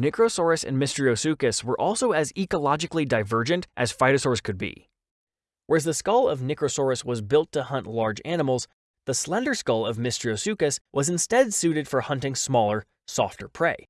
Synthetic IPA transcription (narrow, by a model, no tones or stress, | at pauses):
nɪkɹoʊsɔɹɨsɨ̰̃nmɪstɹ̥ioʊsʉkɨswə˞ʔɔlˠsoʊɨzikəlɑd͡ʒɨklidaɪvɜ˞d͡ʒɨ̃ntʔɨz̥faɪɾɨsɔɹskʰɨd̚bḭ | wʔə˞zðɨskʌlˠʌvnɪkɹoʊsɔɹɨswʌzbɪlˠtʰɨhʌ̃nʔlɑɹd͡ʒænəml̩ˠz | ðəslɛ̃ndə˞skʌlˠʌvmɪstɹ̥ioʊsʉkɨswʔʌzɨ̃n̩stɛdsʉɾɨd̥fə˞hʌ̃ntɪ̃ŋsmɔlˠə˞ | sɔ̰ftə˞pʰɹ̥eɪ